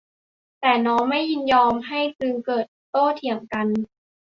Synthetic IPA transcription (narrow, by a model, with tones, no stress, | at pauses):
t̪ɛː˨˩nɔː˦˥ŋma˥˩jːi˥˩njɔː˧mɦa˥˩jsɯ˧ŋkɤː˨˩t̪̚ːoː˥˩t̪ʰi˩˦əŋka˧n